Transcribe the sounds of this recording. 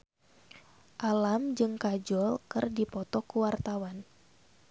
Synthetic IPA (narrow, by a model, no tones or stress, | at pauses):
ʔalamd͡ʒɨŋkad͡ʒɔlkɨrdipɔt̪ɔkuwart̪awan